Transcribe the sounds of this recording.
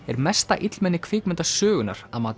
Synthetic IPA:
ɛɾmɛst̪a̰ʔɪt̪lmɛnːɪkʰvɪːkmʏnt̪asœːɣʏnːa̰ɾ̥aðmaːt̪

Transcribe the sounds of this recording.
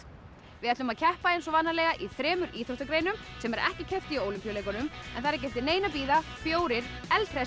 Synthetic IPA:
vɪðɛt̪lʏmaðcʰɛhpaejnsɔvanːalɛːɣaʔiθɾɛːmʏɾʔiːθʰoht̪akɾejnʏmsɛmɛɾɛ̰hcɪcʰœft̪ɪiowlʏmpjʏlejkɔnʏmɛ̰nθaɾaɾcɛjft̪ɪneːjnap̬iːðafjoːwɾɪɾ̥ɛlt̪ɾɛ

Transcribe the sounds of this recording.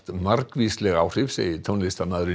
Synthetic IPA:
t̪maɾkvislɛɣawr̥ɪvsḛːjɪt̪ʰownlɪst̪amaðɾʏ

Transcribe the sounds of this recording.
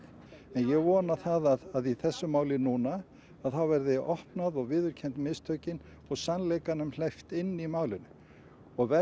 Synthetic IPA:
ɛnjɛɣvɔːnaθaðaðaðiθɛsːʏmaːwlɪnuːnaː | ðθawvɛɾðɪʔɔhpnaðɔɣvɪːðʏɾ̥cʰɛnt̪mɪːst̪ʰœːɥcɪn | ɔɣsanlejkanʏml̥ɛjft̪ɪnːimaːwlɪnʏ | ɔɣvɛ

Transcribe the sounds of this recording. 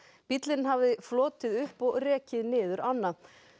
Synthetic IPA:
pit̪lɪnhavðɪflɔːt̪ɪðʏhpɔɣrɛːcɪðnɪːðʏɾanːa

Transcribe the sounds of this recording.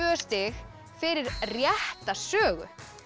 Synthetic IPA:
ʏst̪ɪx | fɪɾɪɾrjɛht̪asœːɣʏ̰

